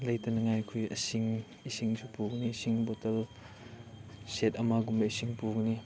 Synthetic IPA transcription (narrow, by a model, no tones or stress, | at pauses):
lɐjtɐnɐŋajkʰujʔɐ̰siŋ | isiŋsʰupuk̚nisiŋbɔtɐl | set̚ɐmaɡumɐisiŋpuk̚ni